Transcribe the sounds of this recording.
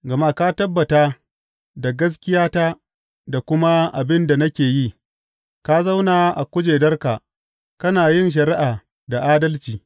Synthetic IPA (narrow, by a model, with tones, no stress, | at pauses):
ɡɐ˨ma˦kaː˦tɐ˦bːɐ˨taː˦ | da˨ɡɐ˦s̬kʲɪ˦jaː˦taː˦ | da˨kʷʊ˦ma˦ʔa̰˨bɪ˦nda˨nɐ˦kʲeː˨jiː˦ | ka˦za˦wnaː˨ʔa˨kʷʊ˦d͡ʒeː˨dɐ˦rka˨ | kɐ˦naː˨jɪ˦nʃ̬ɐ˨ɾɪ˦ʔaː˨ | da˨ʔaː˦dɐ˦lt͡ʃiː˨